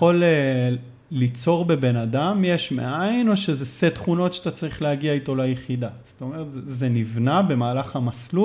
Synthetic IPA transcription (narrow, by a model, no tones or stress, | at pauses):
o̞leː | it͡so̞ʁbe̞be̞nadamjeʃmḛʔaino̞ʃezeset̪χuno̞tʃaat̪at͡saʁiχlehaɡiaito̞lajeχid̪ast̪o̞me̞ʁetzzenivnabe̞maːlaχamaslu